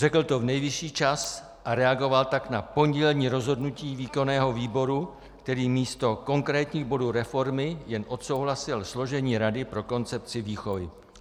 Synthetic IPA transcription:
rɛkl̩t̪o̞vnɛjvɪʃiːt͡ʃas | ʔaɾɛaɡo̞valt̪aknapo̞ɲɟɛlɲiːɾo̞zɦo̞dnuciːviːko̞nɛːɦo̞viːbo̞ɾu | kt̪ɛɾiːmiːst̪o̞ko̞ŋkɾɛːt̪ɲiːɣbo̞duːɾɛfo̞ɾmɪjɛnʔo̞t̪so̞wɦlasɪlslo̞ʒɛɲiːɾadɪpɾo̞ko̞nt͡sɛp̚t͡sɪviːxo̞vɪ

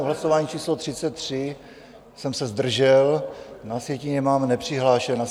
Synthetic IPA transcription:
oɦlasovaːɲit͡ʃiːslot̪r̥ɪt͡sɛt̪ːr̝̥ɪ | sɛmsɛzd̪r̩ʒɛlnasjɛciɲɛmaːmnɛpr̥ɪɦlaːʃɛna

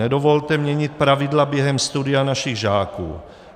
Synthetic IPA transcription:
ɛdovolt̪ɛmɲɛɲɪt̪̚pɾavɪdlabjɛɦɛmst̪udɪjanaʃɪɣʒaːkṵː

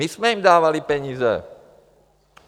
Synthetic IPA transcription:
izmɛimd̪aːʋalipɛɲiːzɛ̰

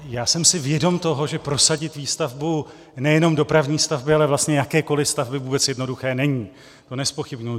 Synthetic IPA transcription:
jaːsɛmsɪvjɛdo̞mt̪o̞ɦo̞ʒɛpɾo̞saɟɪt̪viːst̪avbu | nɛjɛno̞mdo̞pɾavɲiːst̪avbɪalɛvlast̪ɲɛjakɛːko̞lɪst̪avbɪvuːbɛt͡sjɛdno̞duxɛːnɛɲiː | t̪o̞nɛspo̞xɪbɲuj

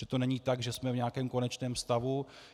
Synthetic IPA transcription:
ʒɛt̪o̞nɛɲiːt̪aɡʒɛsmɛvɲaakɛːmko̞nɛt͡ʃnɛːmst̪avu

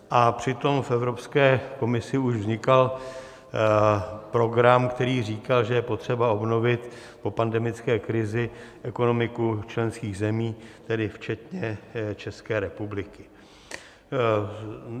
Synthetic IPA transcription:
ʔapr̝̥ɪt̪o̞mfɛvɾo̞pskɛːko̞mɪsɪuʒvzɲɪkal | pɾo̞ɡɾamkt̪ɛɾiːr̝iːkalʒɛjɛpot̪r̝̥ɛbao̞bno̞vɪt̪ | po̞pandɛmɪt͡skɛːkɾɪzɪʔɛko̞no̞mɪkut͡ʃlɛnskiːɣzɛmiːt̪ɛdɪft͡ʃɛt̪ɲɛt͡ʃɛskɛːɾɛpublɪkɪ̥

